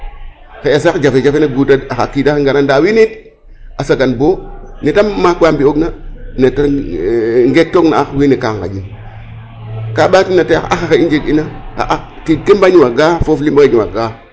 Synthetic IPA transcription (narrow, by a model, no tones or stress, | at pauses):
keasakd͡ʒafed͡ʒafenaɡutaaxakidakeŋɡanandawinit̚ | asaɡanbonetamːakwambioɡnaneta | ŋɡek̚tːokna̰akwinikaŋka̰d͡ʒin | kaɓatinataaa̰ʔaxaxaind͡ʒekinaka̰ʔak | titkembaɲiwaɡafoflimbaked͡ʒiwa̰ɡa